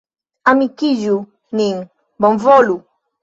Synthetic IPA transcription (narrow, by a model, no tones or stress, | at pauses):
amikiʒu | niŋ | bɔɱvɔlu